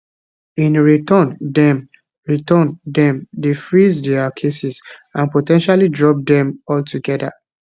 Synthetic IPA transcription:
ĩnɹitɔ̃ndɛ̃m | ɹitɔ̃ndɛ̃mdefɹizdɛakʰesisãnpotɛ̃nʃalidɹɔp̚dɛ̃mɔltuɡɛda

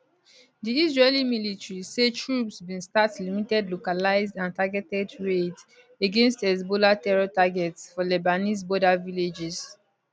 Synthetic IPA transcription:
diisɹelimilitɹisetʰɹupsbĩnstatlimitɛdlokalaɪzdãntaɡɛtɛdɹet | eɡẽnstɛs̬bolatɛɹɔtaɡɛtsfɔlɛbanis̬bɔdaviled͡ʒɛs

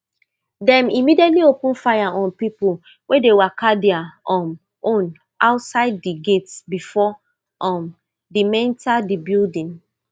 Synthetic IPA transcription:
dɛ̃mimidiɛtliopũnfajaʔɔ̃npipul | wedewakadiaɔ̃m | õn | ʔaʊtsaɪd̚ːiɡetsbifɔ | ʔɔ̃m | dimɛ̃ntadibildĩn

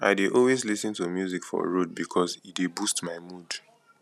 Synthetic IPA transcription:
a̰ɪdeʔɔlwezlisə̃ntumjuzikfɔ̰ɹod̚bikʰɔzidebustmaɪmud

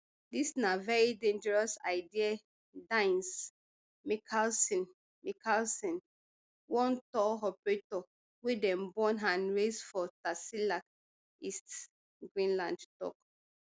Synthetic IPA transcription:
disnavɛɹidẽnd͡ʒəɹɔsa̰ɪdia | dãɪ̃ns | mikʰalsĩn | mikʰalsɔ̃n | wɔ̃ntɔɦɔpɹitɔ | wedɛ̃mbɔ̃nɦãnɹesfɔtasilak | ist | ɡɹĩnlãndtɔ̰k

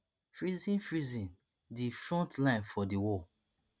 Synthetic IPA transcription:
fɹizĩnfɹizĩn | difɹɔ̃ntlãɪ̃nfɔdiwɔ

